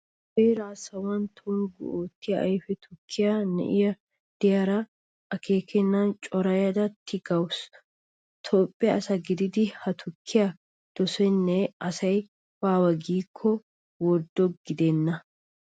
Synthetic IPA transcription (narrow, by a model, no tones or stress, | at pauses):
bejɾaːsɐwɐnt̪ʰʊnɡʊ̰oːt̪ːɪjɐɐjfɛt̪ʰʊkʰːɪjɐnɛ̰ʔɪjɐ | d̪̥ɪjɐɾɐ | ʔɐke̞ːkʰɛnːɐnt͡ʃʼɔɾɐjɐd̪ɐt̪ʰːɪɡɐws | t̪ʰo̞ːpʼːɪjɐːsɐɡɪd̪ɪd̪ɪhɐt̪ʰʊkʰːɪjɐ | d̪̥ɔsɛnːɛɐsɐj | waːwɐɡiːkʰːɔ | wɔɾd̪ɔɡɪd̪ɛnːɐ